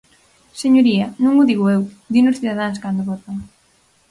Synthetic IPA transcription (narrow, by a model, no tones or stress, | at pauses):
seɲoɾiɐnũŋʊðiɣoew | d̪inosθiðaðaŋskand̪oβot̪aŋ